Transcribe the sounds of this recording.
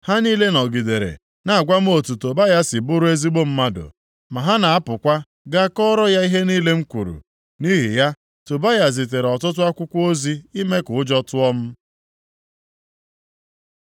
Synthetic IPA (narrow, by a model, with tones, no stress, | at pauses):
ha˦niː˦le˦nɔ˨ɡi˨de˨ɾḛ˨ | na˨a˨ɡʷa˦m̩˦o˨tu˨to˨ba˦ja˦si˨bʊ˦ɾʊ˦e˦zi˦ɡ͡bo˦m̩˦ma˦do̰˨ | ma˨ɦa˦na˨a˦pʊ˨kʷa˦ | ɡa˦kɔ˦ɾɔ˦ja˦i˦ɦe˦niː˦le˦ŋ̩˦kʷu˨ɾṵ˨ | ni˦ɦḭ˨ja˦ | to˨ba˦ja˨zi˨t̬e˨ɾɔ˨tʊ˦t̬ʊ˦a˦kʷʊ˦kʷo˦zi˦i˦me˦kʊ˨ʊ˦d͡ʒɔ˦tʊ˦ɔ˦m̩˦